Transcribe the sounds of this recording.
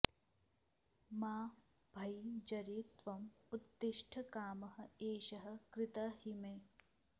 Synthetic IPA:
maː | bʱɐjd͡ʒɐɾit̪ʋɐmud̪ːɪʃʈʰɐkaːmɐɦɐ̆eːʃɐɦɐ̆kɾɪt̪ɐɦimeː

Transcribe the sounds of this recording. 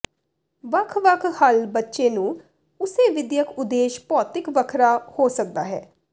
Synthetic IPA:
ʋəkʰʋəkʰhəlbətːʃeːnũː | ʊseːʋɪd̪jəkʊd̪eːʃpɔːt̪ɪkʋəkʰɾaːhoːsək̚d̪aːɦɛ̰ː

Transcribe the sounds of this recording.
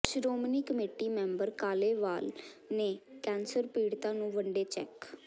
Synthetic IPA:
sɾoːmniːkəmeːʈiːmɛ̃ːmbəɾkaːleːʋaːlneːkɛːnsəɾpiːɽt̪ãːnũːʋəɳɖeːt͡ʃɛk

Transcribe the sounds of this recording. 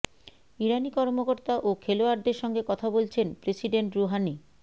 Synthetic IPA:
iɾanikɔɾmokoɾt̪aʔokʰeloaɾd̪eɾʃɔŋɡekɔt̪ʰabolt͡ɕʰenpɾesiɖeɳʈɾoɦani

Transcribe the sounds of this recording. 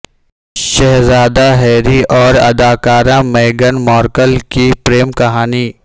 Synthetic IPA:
ʃɐɦzaːd̪aɦɛːɾiʔɔːɾɐ̰d̪aːkaːɾãmeːɡənmɔːɾkəlkipɾeːmkɐɦaːni

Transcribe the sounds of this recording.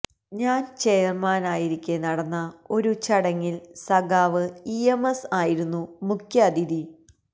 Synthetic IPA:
ɲaːnt͡ɕe̞jɐrmaːnaːjiɾikʲːenɐɽɐnːɐo̞ɾut͡ɕɐɽɐŋːilsɐɡaːʋɨiemesaːjiɾunːumukʲʰjɐːd̪id̪i

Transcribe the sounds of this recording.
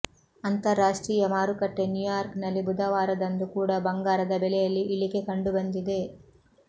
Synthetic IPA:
ɐnt̪ɐɾːaːʂʈɾiːjɐmaːɾukɐʈːe̞njujjaːɾknɐlːibud̪ɐʋaːɾɐd̪ɐnd̪ukuːɽɐbɐŋɡaːɾɐd̪ɐbɛlɛjɐlːiʔiɭike̞kɐɳɖubɐnd̪id̪e̞

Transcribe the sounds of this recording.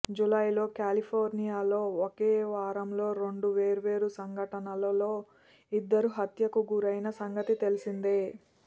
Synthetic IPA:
d͡ʒulɐjlo̞ːkaːlipʰoːɾnijaːlo̞ːokeːʋaːɾɐmlo̞ːɾe̞ɳɖuʋe̞ːɾuʋe̞ːɾusɐŋɡʱɐʈɐnɐlɐlo̞ː | id̪ːɐɾuɦɐt̪jɐkuɡuɾɐjnɐsɐŋɡɐt̪it̪elisind̪eː

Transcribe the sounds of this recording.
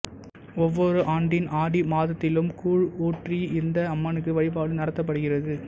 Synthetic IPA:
ɔʋːɔɾɯʔaːɳɖɪnʔaːɽimaːðɐt̪ːɪlɯmkuːɻoːʈriɪnd̪ɐɐmːɐnɯk̬ːɯʋɐɻɪp̬aːlɯnɐɽɐt̪ːɐp̬ːɐɽɯɣɪrɐðɯ

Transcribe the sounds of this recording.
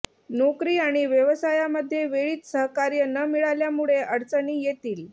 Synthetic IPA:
nokɾiːaɽ̃iʋjəʋəsajaməd̪ʱːjeʋeɭiːt̪səɦkaɾjənəmiɭaljamuɭeʔəɾt͡səniːjet̪iːl

